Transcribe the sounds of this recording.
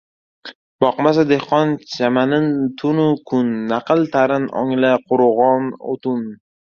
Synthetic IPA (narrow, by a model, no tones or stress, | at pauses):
bɒqmas̬ad̪ehqɒnt͡ʃʰamanɪnt̪ʰʊnʊkʰʊnːaqʰɨlˠt̪ʰaɾɪnɒ̰ŋlaqʰʊɾʁɒno̰t̪ʊn